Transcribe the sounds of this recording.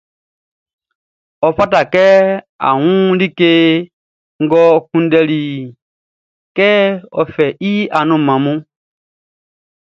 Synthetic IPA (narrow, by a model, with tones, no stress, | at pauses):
ɔ˨fa˦ta˨kɛ˦ | a̰˨wũ˦li˦ke˦ | ŋ̩˦ɡɔ˦kũ˦n˦dɛ˦li˨ | kɛː˦ɔ̰˨fɛ˨ʔi˦a˨nũ˨mã˨mũ˦